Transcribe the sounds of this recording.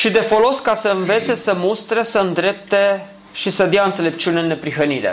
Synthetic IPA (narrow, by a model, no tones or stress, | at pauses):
ʃid̪e̞fo̞lo̞skasəɨnve̞t̪se̞səmust̪ɾe̞səɨnd̪ɾe̞p̚t̪e | ʃisəd̪jaɨnt̪sele̞p̚t͡ʃuneɨnːe̞pɾiɦəniɾḛ